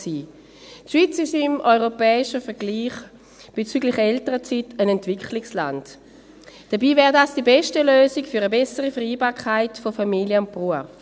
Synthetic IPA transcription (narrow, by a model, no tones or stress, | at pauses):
siː | tʃʋ̥iːt͡sɪʃɪmɔʏʁopɛːɪʃəfɛɐɡ̥liːχ | b̥et͡syːɡlɪχɛltəʁət͡sitənɛntv̥ɪklɪksla̰nt | d̥ɐbiːvɛːʁdaːsd̥ibɛʃtəløːzɪkfyʁəbɛsəʁifɛʁiːbaːɐkʰaɪtfofamiljəʊnb̥ʁuəf